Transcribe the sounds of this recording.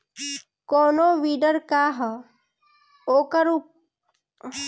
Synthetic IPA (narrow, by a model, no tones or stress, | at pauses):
koːnoːʋiːɖəɾkaɦ | oːkəɾu